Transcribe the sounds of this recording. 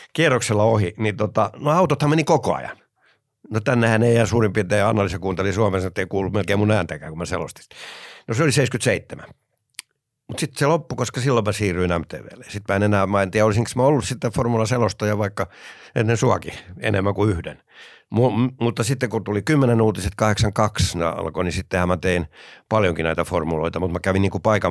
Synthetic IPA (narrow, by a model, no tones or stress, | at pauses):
kierːokselːɑohinit̪ot̪ɑnoɑut̪ot̪hɑmmenikoko̰ɑ̰jɑ̰n | not̪ænːehæneiæsuːrimpit̪eːɑ̰nːɑlisekuːnt̪elisuɑmesnet̪ːeikuːlːumelkeimunæːnt̪ækæːkumæsḛlo̰st̪i̥snoseoliseiskyt̪seit̪ːemæ̰ | mut̪sit̪ːselopːukoskɑsilːommæsiːryinæmt̪ḛːʋḛːlḛsit̪mæenenæːmɑint̪ijolisiŋksmæolːussit̪ːeformulɑselost̪ɑjɑʋɑikːɑenːensuɑkiḛnemːækuyhdḛn | mumut̪ːɑsit̪ːekut̪ulikymːenenuːt̪iset̪kɑheksɑŋkɑksnḛɑ̰lkonisit̪ːehæmmæt̪einpɑljoŋkinæit̪æformulo̰it̪ɑmut̪mækæʋinniːŋkupɑikɑ